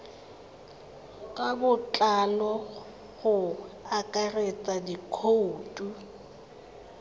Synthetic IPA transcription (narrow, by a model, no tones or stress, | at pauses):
kʼabʊt͡ɬʼanɔ | ɣʊakʼaret͡sʼadikʰouːtʼu